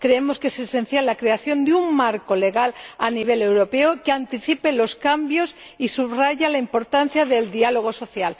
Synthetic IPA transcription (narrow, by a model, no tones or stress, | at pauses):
kɾeemoskesesen̟θjalːakɾeaθjo̞nd̪euŋmaɾkole̞ɣalaniβ̞elewɾopeokeant̪iθipelo̞skambjo̞sisuβraʝalaimpo̞ɾt̪an̟θjaðe̞ld̪ialoɣ̞oso̞θjal